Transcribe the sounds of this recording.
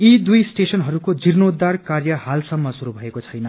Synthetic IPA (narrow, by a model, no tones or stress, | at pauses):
id̪ujsʈesʌnɦʌɾukod͡zirnod̪arkarjʌɦalsʌmːʌsuɾubʱʌekot͡sʰʌjnʌ